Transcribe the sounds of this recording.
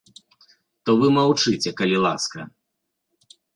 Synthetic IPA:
t̪ɔvɨmawt͡ʂɨt͡sʲɛkɐlʲilˠa̰skɐ̰

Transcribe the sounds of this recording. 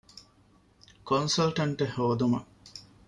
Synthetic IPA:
konsɐlʈɐɳʈehoːd̪umɐ

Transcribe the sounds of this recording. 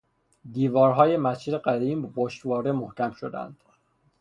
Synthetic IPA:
d̪iːvɒːɾɦɒːjemæsʰid̪eɢæd̪iːmboʃt̪vɒːɾemohcʲæmʃod̪æ̰nd̪̥

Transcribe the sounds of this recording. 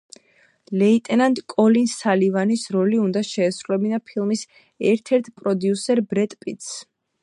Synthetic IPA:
lɛit̪ʼɛnand̪kʼɔlinsalivanisɾɔliund̪aʃɛːsɾulɛbinapʰilˠmis | ɛɾt̪ʰɛɾt̪ʰpʼɾɔd̪jusɛɾbɾɛt̪ʼpʼit̪s

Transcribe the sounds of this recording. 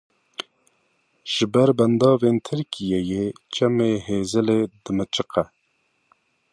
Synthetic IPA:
ʒ̥ɨbɛɾbɛnd̪ɑːvent̪ʰɨɾkijejet͡ʃɛmeːɦeːzɨleːd̪ɨmɨt͡ʃɨqɛ

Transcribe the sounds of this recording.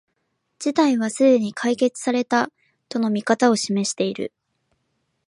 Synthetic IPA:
d͡ʑ̥it̪aiβ̞asɨd̪e̞ɲ̟ikʰaike̞t͡sɨ̥saɾe̞t̪a | t̪o̞no̞mʲikat̪ao̞ɕime̞ɕi̥t̪e̞iɾɯ̟̰

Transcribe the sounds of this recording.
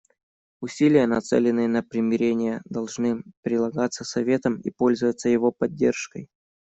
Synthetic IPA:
ʊsʲilʲɪjənɐt̪sɛ̰lʲɪnːɨjənəpɾʲɪmʲɪɾʲenʲɪjəd̪ɐlˠʐnɨpɾʲɪlˠɐɡat̪sːəsɐvʲe̞t̪əmḭpo̞lʲzəvət̪səjɪvo̞pɐdʲːe̞̰rʂkə̰j

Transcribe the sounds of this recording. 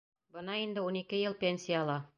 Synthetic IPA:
bɤ̆nɑind̪ɘunikɘjɤlˠpʲenʲsʲijaːlˠɑ

